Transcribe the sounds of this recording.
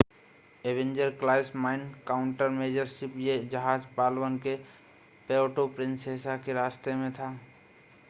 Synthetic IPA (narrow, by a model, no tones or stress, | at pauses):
eʋẽɲd͡ʒəɾklaːɪsmaːɪnkaːʊɳʈəɾmeːd͡ʒəɾsɪpjed͡ʒəɦaːd͡ʒpaːlwənke | peːoʈopɾɪ̃nseːsakeɾaːst̪emẽt̪ʰaː